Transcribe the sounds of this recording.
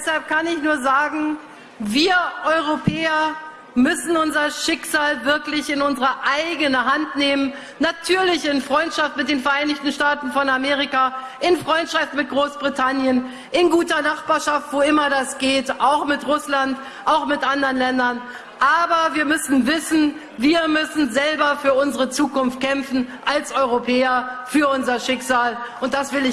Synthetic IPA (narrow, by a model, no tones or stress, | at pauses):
dɛshalp̚kʰanɪçnuːɐzaːɡŋ̩ | viːɐʔɔʏʁopʰɛːɐ | mʏsn̩ʊnzɐʃɪksz̥aːlvɪɐklɪçɪnʊnzəʁəʔaɪɡənəɦantneːmən | natʰyːɐlɪçɪnfʁ̥ɔʏntʃaftmɪt̚d̥eːnfɛɐʔaɪnɪçtn̩ʃtaːtn̩fɔnameːʁ̞ikaː | ʔɪnfʁ̥ɔʏntʃaftn̩mɪt̚ɡ̥ʁoːsb̥ʁitʰanjən | ʔɪnɡuːtɐnaχb̥aːɐʃaftv̥oɪmɐdasɡ̥eːtʔaʊxmɪtʁʊslant | ʔaʊxmɪtʔandəʁənlɛndɐn | ʔaːbɐviːɐmʏsn̩vɪsn̩ | viːɐmʏsn̩zɛlbɐfyːɐʊnzəʁət͡suːkʊnft̚kʰɛmfn̩ʔalsʔɔʏʁopʰɛːɐfyːɐʊnzɐʃɪkz̥aːlʔʊnt̚d̥asv̥ɪlɪ